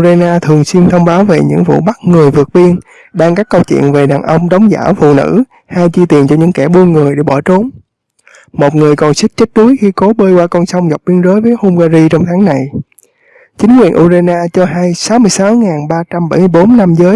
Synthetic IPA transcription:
ʔzaː˧jnaː˧t̪ʰɨ˨˩əŋswi˧ənt̪ʰə˧wŋ͡mɓaː˨˦wve˨˩ɲɨ̰˧˥ŋvṵ˧˨ɓa˦˥k̚ŋɨ˨˩əjvɨ˨˩ək̚ɓi˧ən | ɓaː˧ŋkaː˦˥kːə˧wt͡ɕwḭ˧˨ənve˨˩ɗaː˨˩nʔə˧wŋ͡mɗə˨˦wŋ͡mza̰ː˧˩wfṵ˧˨nɨ̰˧˥ | haː˧jt͡ɕi˧t̪i˨˩ənt͡ɕɔ˧ɲɨ̰˧˥ŋkɛ˧˩ɓu˧ənŋɨ˨˩əjɗe˧˩ɓɔ˧˩t͡ɕo˨˦n | mo˨˩t̚ŋɨ˨˩əjkɔ˨˩nsi˦˥k̟̚t͡ɕə˦˥k̚ɗ̪u˨˦jxi˧ko˨˦ɓəː˧jkwaː˧kɔ˧nsɔ˧wŋ͡mzk͡p̚ɓi˧ənzəː˨˦jvəː˨˦jho˧mɣaː˧zi˧t͡ɕɔ˧wŋ͡mt̪ʰaː˨˦ŋna˨˩j | t͡ɕï˨˦ŋkwi˨˩ənʔu˧zaː˧jnaː˧t͡ɕɔ˧haː˧jsaː˨˦wmɨ˧əjsaː˨˦wŋaː˨˩nɓaː˧t͡ɕa˧mɓə˧˩jmɨ˧əjɓo˨˦nna˧mzəː˨˦j

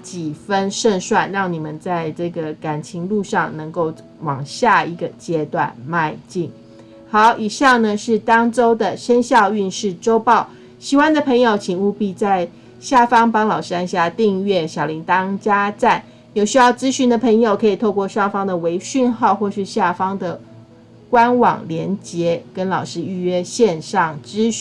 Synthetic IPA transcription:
t͡ɕi˨˩fə˦nʂə˥˧nʂwa˥˧nɻɑ˥˩ŋni˨˩mə˦nt͡sa˥˧ɪʈ͡ʂɤ˥˩ɡə˩ka˨˩nt͡ɕʰi˧˥ŋlu˥˧ʂɑ˥˩ŋnɤ˧˥ŋko˥˩ʊ | wɑ˨˩ŋɕja˥˩i˧˥ɡə˨t͡ɕjɛ˥t̪wa̰˥˨˩nma˥˧ɪt͡ɕi˥˨˩ŋ | xɑ˨˦ʊʔi˨˩ɕjɑ˥˩nə˨ʂɻ̩˥˩t̪ɑ˥ŋʈ͡ʂo˥ʊd̪ə˨ʂə˥nɕjɑ˥˧ʊy˥˧nʂɻ̩˥˩ʈ͡ʂo˥ʊpɑ˥˩ʊ | ɕi˨˥wa˥nd̪ə˨pʰɤ˧˥ŋjo˨˩ʊt͡ɕʰi˧˥ŋu˥˧pi˥˧t͡sa˥˧ɪ | ɕja˥˩fɑ˥ŋpɑ˥ŋlɑ˨˩ʊʂ̩˥a˥nɕja˥˧t̪i˥˧ŋɥɛ˥˩ɕjɑ˨˩ʊli˧˥ŋt̪ɑ˥ŋt͡ɕja˥t͡sa˥˩n | jo˨˧˩ʊɕy˥jɑ˥˩ʊt͡sɹ̩˥ɕy˧˥nd̪ə˨pʰə˧˥ŋjo˨˩ʊkʰɤ˧˥i˨˩t̪ʰo˥˧ʊkwɔ˥˧ʂɑ˥˩ŋfɑ˥ŋd̪ə˨we˧˥ɪɕy˥˧nxɑ˥˧ʊxwɔ˥˧ʂɻ̩˥˧ɕja˥˩fɑ˥ŋd̪ə˨ | kwa˥nwɑ̰˨˩ŋljɛ˧˥nt͡ɕjɛ˧˥kə˥nlɑ˨˩ʊʂɻ̩˥˧y˥˧ɥɛ˥ɕjɛ˥˧nʂɑ˥˩ŋʈ͡ʂɻ̩˥

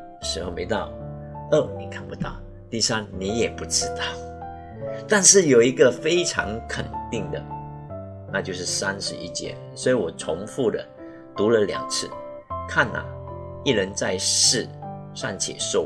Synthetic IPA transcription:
ʂɻ̩˧˥xo˥˧ʊme˧˥ɪt̪ɑ˥˩ʊ | ə˥˩ni˨˩kʰa˥˩npu˧˦t̪ɑ̰˥˩ʊ | t̪i˥˩sa˥nni˧˥jɛ˨˩pu˧˥ʈ͡ʂɻ̩˥t̪ɑ˥˩ʊ | t̪a˥˧nʂɻ̩˥˩jo˨˩ʊi˧˥ɡə˨fe˥ɪʈ͡ʂʰɑ̰˧˥ŋkʰə˨˩nt̪i˥˩ŋd̪ə̰˩ | na˥˧t͡ɕjo˥˧ʊʂ̬ɻ̩˥˩sa˥nʂɻ̩˧˥ḭ˥˩t͡ɕjɛ̰˧˥ | swɔ˧˥i˧˥wɔ˨˩t͡sʰʊ˧˥ŋfu˥˩d̪ə̰˩ | t̪u˧˥lə˨ljɑ̰˨˩ŋt͡sʰɹ̩˥˩ | kʰa˥˩na̰˨˩i˥˩ɻə˧˦nt͡sa˥˧ɪʂɻ̩˥˩ʂa̰˥˩nt͡ɕʰjɛ̰˨˩ʂo˥˩

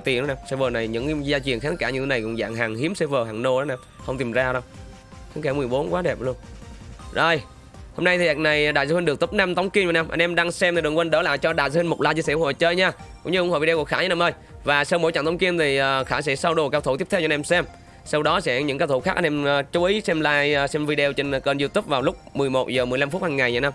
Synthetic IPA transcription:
t̪i˨˩˨n˨˦naː˧msɛ˧vəː˨˩na˨˩jɲɨ̰˧˥ŋ˧zaː˧t͡ɕwi˨˩ənxaː˧˦t̪ə˦˥kːɨ̰˧˥t̪ʰːna˨˩jkʊ̰˧˥ŋ͡mza̰ː˧˩ŋɦaː˨˩ŋhi˨˦msɛ˧vəː˨˩ɦaː˨˩ŋno˧ɗɔ˨˦naː˧˩mhə˧wŋ͡mt̪i˨˩mzaː˧ɗə˧wŋ͡m | kkɛ˧˩mɨ˨˩əjɓo˨˦nkwaː˨˦ɗɛ˨˩p̚lu˧ənzəː˨˩j | ho˧mna˧jt̪ʰi˨˩ʔa˨˩k̚na˨˩jɗaː˨jzaː˧hi˧ŋɗk̚t̪u˦˥p̚na˧mt̪ə˨˦wŋ͡mki˧nva˨˩na˧mʔə˧nʔɛ˧mɗaː˧ŋsɛ˧mt̪ʰɗəkwə˧nɗə˧˦la̰ː˧˩˨jt͡ɕɔ˧ɗaː˨ja˧˥wi˧ŋ̟mo˨˩k͡p̚laː˧˩t͡ɕi˧sɛ˧˥ʔʊ˧˦ho̰˨˩t͡ɕəː˧jɲaː˧kʊ̰˧˥ŋ͡mɲɨ˧ʊ˧˥ŋ͡mho̰˧˩vi˧ɗe˧kəkxaː˧˩ɲ˧˦naː˧˩mʔəː˧j | vaː˨˩sa˧wmo̰˧˥jt͡ɕa̰˧˨ŋt̪ʰə˨˦wŋ͡mki˧əmt̪ʰi˨˩ʔəː˨˩xaː˧˩sɛ̰˧˥sa˧wɗo˨˩kaː˧wt̪ʰu˧˩t̪i˦˥p̚tʰwt͡ɕɔ˧nʔɛ˧msɛ˧m | sa˧wɗɔ˨˦sɛ̰˧˥˩ɲɨ̰˧˥ŋkaː˧wt̪ʰxaː˦˥k̚a˧nʔɛ˧mː˧t͡ɕu˨˦ʔi˨˦sɛ˧mlaː˧jsɛ˧mvi˧ɗe˧o˧wt͡ɕe˧ŋ˨kəː˨˩nzu˧t̪u˦˥p̚vaː˨˩wlʊ˦˥k͡p̚mɨ˨˩əjmo˨˩t̚zəː˨˩m˨˩jla˧mfu˦˥t̚haː˧ŋːa˨˩jɲa̰˨˧˩na˧m

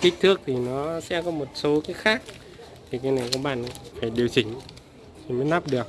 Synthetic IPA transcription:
k̪ï˦˥k̚t̪ʰɨ˦˥ək̚t̪ʰi˨˩nɔ˨˦sɛ̰˧˥kɔ˨˦mo˨˩t̚so˨˦kaː˨˦jxaː˦˥k̚ | t̪ʰi˨˩kaː˨˦jna˨˩jkɔ˨˦ɓa̰ː˧˨n˨faː˧˩jɗi˨˩əwt͡ɕï˧˩ŋ̟ | t͡ɕi˨˧˩məː˨˦jna˦˥p̚ɗɨ˨˩ək̚

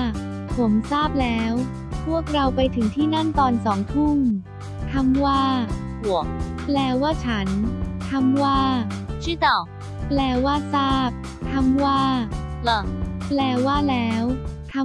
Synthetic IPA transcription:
pʰo˩˦msaː˥˩p̚lɛː˦˥w | pʰu˥˩ək̚ɾa˧wpa˧jt̪ʰɯ˩˦ŋt̪ʰiː˥˩na˥˩nt̪ɔː˧nsɔː˩˦ŋt̪ʰu˥˩ŋ | t̪ʰa˧mwaː˥˩ | hu˩˦k̚plɛː˧waː˥˩t͡ɕʰa˦˥nt̪ʰa˧mwaː˥˩t͡ɕʰi˦˥˩t̪a˧˩ | plɛː˧waː˥˩saː˥˩p̚ | t̪ʰa˧mwaː˥˩lɤ˧˩plɛː˧waː˥˩lɛː˦˥wt̪ʰa˧

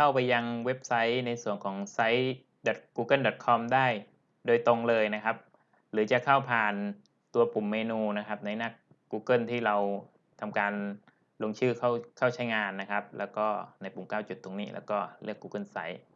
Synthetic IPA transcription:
kʰa˥˩wpa˧jːa˧ŋwe˦˥p̚sa˦˥jna˧jsu˨˩əŋkʰɔː˩˦ŋsa˦˥j | dɔ˨˩t̪̚kuː˧kɤ˥˩ndɔ˨˩t̪̚kʰɔ˧mdaː˥˩j | doː˧jt̪o˧ŋlɤː˧jna˦˥kʰa˦˥p̚ | ɾɯː˩˦t͡ɕa˨˩kʰa˥˩wpʰaː˨˩n | t̪u˧ɐpu˨˩mːeː˧nuː˧na˦˥kʰa˦˥p̚na˧jna˥˩kː | uː˧kɤ˥˩nt̪ʰiː˥˩ɾa˧w | t̪ʰa˧mkaː˧n | lo˧ŋt͡ɕʰɯː˥˩kʰa˥˩wkʰa˥˩wt͡ɕʰa˦˥jŋaː˧nːa˦˥kʰa˦˥p̚lɛ̰ː˦˥wkɔː˥˩na˧jpu˨˩˦mkaː˥˩wt͡ɕu˨˩t̪ʰːo˧ŋniː˦˥˩lɛ̰ː˦˧˥wkɔː˥˩lɯ˥˩əkːuː˧kɤ˥˩˨nsa˦˥j

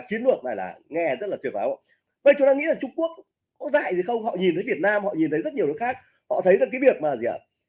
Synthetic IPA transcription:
t͡ɕi˨˦ənlɨ˨˩ək̚na˨˩jla̰ː˨˩ŋɛ˧zə˦˥t̚laː˨˩t̪i˧˩əp̚a̰ː˨˦w̰ː | ɓə˧˦t͡ɕʊ˨˦ŋ͡mt̪aː˧ŋḭ˧˥laː˨˩t͡ɕʊ˧ŋ͡mku˦˥ək̚ | kɔ˨˦za̰ː˧˨jzi˨˩xə˧wŋ͡mɦɔ̰˧˨ɲi˨˩nt̪ʰə˨˦jvi˨˩ət̚naː˧mhɔ̰˧˨ɲi˨˩nt̪ʰə˨˦jzə˦˥t̚ɲ˨ə˩˨əː˨˦jxaː˦˥k̚ | hɔ̰˧˨t̪ʰə˨˦jza˧˩kaː˨˦jvi˨˩ə˩k̚maː˨˩zi˨a̰ː˧˨

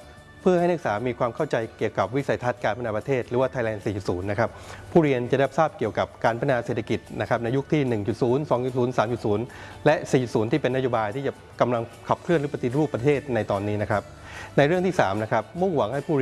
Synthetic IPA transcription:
pʰɯ˥˩əha˥˩jnɯ˦˥k̚saː˩˦miː˧kʰwaː˧mkʰa˥˩wt͡ɕa˧jki˨˩əwka˨˩p̚wi˦˥sa˩jt̪ʰa˦˥t̪̚kaː˧npʰa˥˩naː˧pɾa˧t̪ʰeː˥˩t̪̚ɾɯː˩˦waː˥˩aː˧jlɛː˧nsiː˨˩t͡ɕu˨˩suː˩˦nːa˦˥kʰa˦˥p̚ʰːuː˥˩ɾi˧ənt͡ɕa˨˩da˥˩p̚saː˥˩p̚ki˨˩əwka˨˩p̚kaː˧npʰa˧˩˧naː˧seː˨˩t̪ʰːa˧ki˨˩t̪̚na˦˥kʰɾa˦˥p̚na˧jːu˦˥k̚t̪ʰiː˥˩nɯ˨˩ŋt͡ɕu˨˩t̪̚suː˩˦nsɔː˩˦ŋt͡ɕu˨˩suː˩˦nsaː˩˦mt͡ɕu˨˩t̪̚suː˩˦n | lɛ˦˥siː˨˩t͡ɕu˨˩suː˩˦nt̪ʰiː˥˩pe˧nːa˥joː˧˥baː˧jt̪ʰiː˥˩t͡ɕa˨˩ | ka˧mla˧ŋkʰa˨˩p̚kʰlɯ˥˩ənɾɯː˩˦pa˧t̪i˨˩t̪̚ɾuː˥˩pːɾa˧t̪ʰeː˥˩t̪̚na˧jt̪ɔː˧nːiː˦˥na˦˥kʰɾa˦˥p̚ | na˧jɾɯ˥˩ŋt̪ʰiː˥˩saː˩˦mna˦˥kʰa˦˥p̚mu˥˩ŋwa˩˦ŋha˥˩jpʰuː˥˩ɾ

